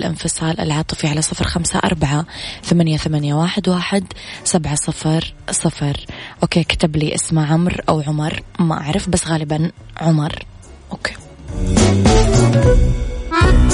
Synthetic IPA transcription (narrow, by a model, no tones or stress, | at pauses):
lʔɪ̰nfɨsˤɑːlʔɪ̰lʕɑːt̪ˤɨ̥fiʕalasˤɨfɾxamsa̰ʔɑ̰ɾˤbaʕaθamanjaθamanjawaːħɪd̪waːħɪd̪sabʕasˤɨfɾˤsˤɑfɾˤʔoːkeːkḁt̪abliːʔɪsmaʕʊmɾʔa̰wʕʊmɑɾˤmaʔa̰ʕɾˤɪfbasːɣaːlɪban | ʕʊmɑɾˤ | ʔoːke̥ː